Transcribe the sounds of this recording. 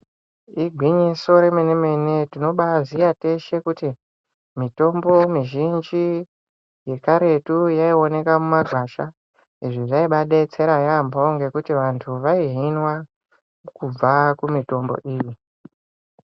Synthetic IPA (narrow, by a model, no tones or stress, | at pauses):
iɡʱwiɲiso̞ɾe̞menemene̞tino̞ɓazijate̞ʃe̞kuti | mito̞mbo̞miʒind͡ʒi | je̞kaɾe̞tujaio̞ne̞kamumaɡʱwaʃa | iʐiʐaiɓaɗe̞t͡se̞ɾajamboŋɡe̞kutiʋantʰuʋaiɦinwa | kub͡vakumito̞mbo̞̰ʔiːji